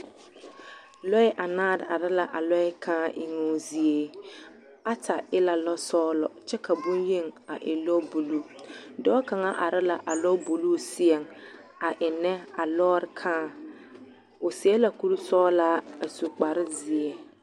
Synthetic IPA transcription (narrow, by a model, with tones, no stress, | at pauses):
lɔ˦ɪ˦ʔa˨naː˦˨ɾɪ˨a˨ɾɪ˦la˨ʔa˨lɔ˦ɪ˦kʰãː˦ʔɪ˨ŋo˨˦zi˨e˦ | a˦tʰa˨ɪ˦la˨lɔ˦sɔː˦lɔ˨t͡ʃɛ˦ka˨bʊ˦nje˦˨ŋa˨ʔɪ˨lɔ˦bu˨lu˦dɔː˦ka˨ŋa˦ʔa˨ɾɪ˦la˨ʔa˨lɔ˦bu˨lu˦si˦ɛ˨ŋ | a˨ʔɪ˨nɛ˦a˨lɔː˦ɾɪ˨kʰãː˦˨ | ʊ˨si˨˦ɛ˦la˨ku˦ɾu˦sɔː˦la˦a˨su˨k͡pa˨ɾɪ˦zi˨e˦